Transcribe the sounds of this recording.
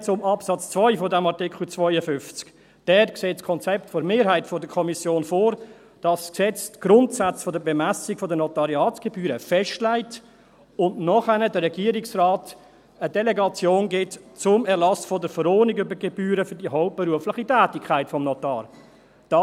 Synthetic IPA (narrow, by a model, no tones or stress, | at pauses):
t͡sʊmɑpsɑt͡st͡svɔʏfɔdæmɑɾtɪkχl̩t͡svɔʏəfʏnft͡sk | d̥ɛtkseːtskʰɔnt͡sɛp̚tfoɾmeːɾɦaɪtfɔdəkʰɔmisjoːnfoːɾ | d̥ɑssksɛt͡stɡ̥ɾʊntsat͡sfɔdəbemæsikfɔdənɔtɑɾiɑːtɡ̥ebyːɾəfɛʃtlaɪt | ʊntnɔχænədəɾːɛɡiəɾiksraːt | ədɛleɡɑt͡sjoːnɡɪtt͡sʊmɛɾlɑsfɔdəɾfəɾɔːnikybəɾɡebyːɾəfʏɾdiəɦɔʊp̚b̥ɛɾuəflɪχitʰæːtikʰːaɪtfɔmnɔtɑ̰ːɾ | d̥ɑ